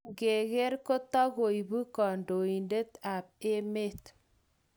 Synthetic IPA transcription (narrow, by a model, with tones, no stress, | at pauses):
ɡe˨ɣe˦ɾko˦tɔ˦ɣo˨i˨bu˦kɔ˨ndo˨i˨nde˦t̪a˨p̚e˦me˦t